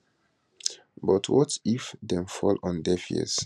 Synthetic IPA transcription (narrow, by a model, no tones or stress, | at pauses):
bɔtʰwɔtifdɛ̃mfɔlɔ̃ndɛfiɛ̰s